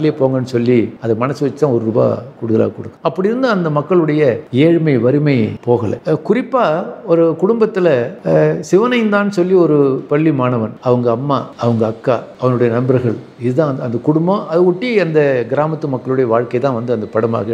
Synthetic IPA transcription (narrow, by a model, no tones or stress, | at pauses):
lɪjepoːŋɡɐnːɯsɔlːiɐðɐmɐnɐsːɯʋɐt͡ʃːɯt̪ãːɔɾɯɾʊba̰ːkuːɽɯðɐla̰ːɣɐkɔɽɯkːɐ̥̃ɐpːɐɽɪɾɯnd̪ɯɐnd̪ɐmɐkːɐɭɯɽɐjɐeːɻmɐɪʋɐɾɯmɐɪpoːɣɐlɐ̰kʊɾɪpːaːɔɾɯkʊɽʊmbɐt̪ːɪlɐsɪʋɐnɐjɯnd̪aːnːɯsɔlːiɔɾɯpɐɭːimaːnɐʋɐnɐʋɐŋɡɐːmːaːɐʋɐŋɡɐɐkːaːɐʋɐnɯɽɐjɐnɐmbɐɾɣɐɭ | ɪðɯt̪ãːɐnd̪ɐkʊɽʊmbɐ̃ɐðɯɔʈːiɐnd̪ɐɡɪɾaːmɐt̪ːɯmɐkːɐɭɯɽɐjɐʋaːɻkɐɪt̪ãːʋɐnd̪ɯɐnd̪ɐpɐɽɐma̰ːɣɐ